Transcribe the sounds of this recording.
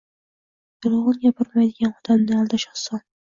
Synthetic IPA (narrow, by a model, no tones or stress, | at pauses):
jʊlˠʁʊnɡʲabʊɾmajd̪ɪɡʲanɒd̪̥amnɪalˠd̪aʃɒχsɒn